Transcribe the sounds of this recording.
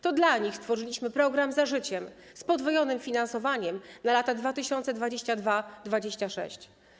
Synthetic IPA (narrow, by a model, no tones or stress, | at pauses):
t̪ɔd̪laɲixst̪fɔʐɘlʲiɕmɘpɾɔɡɾamzaʐɘt͡ɕɛmspɔd̪vɔjɔnɘmfʲinansɔvaɲɛmnalat̪ad̪vat̪ɘɕɔnt̪sɛd̪vad͡ʑeɕt͡ɕad̪vad̪vad͡ʑeɕt͡ɕaʂɛ̰ɕt͡ɕ